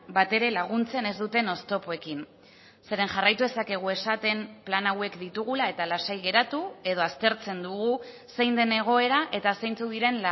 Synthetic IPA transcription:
bat̪e̞ɾe̞laɣ̞unt͡se̞ne̞zd̪ut̪e̞no̞st̪o̞poe̞kin | se̞ɾe̞nʝarajt̪uðe̞sake̞ɣ̞ue̞sat̪e̞mplanawe̞kd̪it̪uɣ̞ulae̞t̪alasajɣe̞ɾat̪ue̞ð̞o̞ast̪e̞ɾt͡se̞nd̪uɣu | se̞jnd̪e̞ne̞ɣ̞o̞e̞ɾaʔe̞t̪asejnt͡suðiɾe̞nl

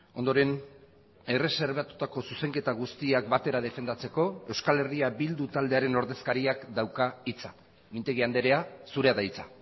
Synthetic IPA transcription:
o̞nd̪o̞ɾe̞n | e̞re̞se̞ɾβat̪u̥t̪ako̞suse̞ŋke̞t̪aɣ̞ust̪iakbat̪e̞ɾað̞e̞fe̞nd̪at͡se̞ko̞e̞wskale̞riabild̪ut̪ald̪e̞aɾe̞no̞ɾðe̞skaɾiakd̪awkait͡sa | mint̪e̞ɣiand̪e̞ɾe̞asuɾe̞aðait͡sa

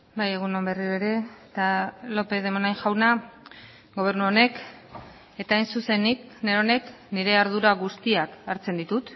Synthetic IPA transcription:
baje̞ɣuno̞mbe̞riɾoeɾe̞t̪alo̞pe̞ð̞e̞monajnʝawna | ɡo̞β̞e̞ɾnuo̞ne̞k | e̞t̪aːjnsuse̞nik̚neɾo̞ne̞k | niɾe̞aɾð̞uɾaɣust̪iakaɾt͡se̞nd̪it̪ut̪

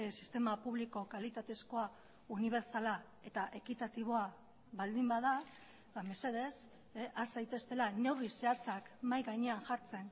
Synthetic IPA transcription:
si̥st̪e̞mapuβ̞liko̞kalit̪at̪e̞sko̞a | uniβ̞e̞ɾt͡sala | e̞t̪aʔe̞kit̪at̪iβ̞o̞a | βald̪imbaða | bame̞se̞ð̞e̞s | ʔasajt̪e̞st̪e̞lane̞wrise̞at͡sakmajɣaɲeaŋʝaɾt͡se̞n

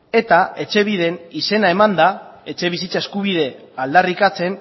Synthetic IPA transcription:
e̞t̪ae̞t͡ʃe̞β̞ið̞e̞nise̞nae̞mand̪ae̞t͡ʃe̞β̞isit͡sae̞skuβ̞ið̞e̞ | ald̪arikat͡se̞n

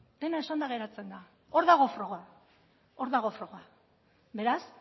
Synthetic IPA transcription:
d̪̥e̞naesand̪aɣ̞e̞ɾat͡se̞nd̪a | o̞ɾðaɣ̞o̞fɾo̞ɣa | o̞ɾðaɣo̞fɾo̞ɣa | be̞ɾas

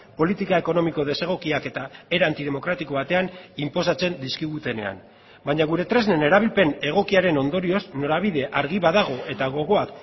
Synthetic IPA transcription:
po̞lit̪ikae̞ko̞no̞miko̞ð̞e̞se̞ɣ̞o̞kiake̞t̪ae̞ɾant̪ið̞e̞mo̞kɾat̪iko̞βat̪e̞animpo̞sat͡se̞nd̪iskiɣut̪e̞ne̞̰a̰n | baɲaɣ̞uɾe̞t̪ɾe̞zne̞ne̞ɾaβilpe̞ne̞ɣ̞o̞kiaɾe̞no̞nd̪o̞ɾio̞zno̞ɾaβ̞iðe̞ʔaɾɣiβaðaɣ̞o̞e̞t̪aɣo̞ɣ̞o̞ak

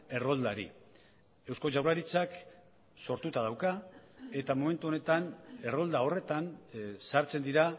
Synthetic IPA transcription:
e̞ro̞ld̪aɾḭ | e̞wsko̞ʝawraɾit͡sak | so̞ɾt̪ut̪að̞awkae̞t̪amo̞me̞nt̪uo̞ne̞t̪ane̞ro̞ld̪ao̞re̞t̪ansaɾt͡se̞nd̪iɾa

